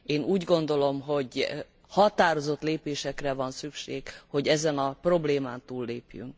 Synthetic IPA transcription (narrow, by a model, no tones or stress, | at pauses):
eːnuːɟɡo̞n̪d̪o̞lo̞mɦo̞ɟ | hɒt̪aːɾo̞zo̞t̪leːpeːʃɛkrɛvɒnsykʃeːkho̞ɟɛzɛnɒpro̞bleːmaːnt̪uːlːeːpjy̰ŋk̚